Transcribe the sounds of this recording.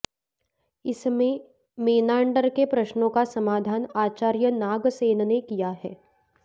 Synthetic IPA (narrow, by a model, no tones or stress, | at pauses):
ɪsmẽ | meːnaːɳɖəɾkepɾɐʃnõkasɐmaːd̪ʱaːnaːt͡ʃaːɾjənaːɡseːnnekijaɦɛː